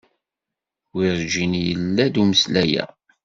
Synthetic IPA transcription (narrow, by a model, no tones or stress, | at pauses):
wiɾd͡ʒinjəlːæd̪uməslæjæ̰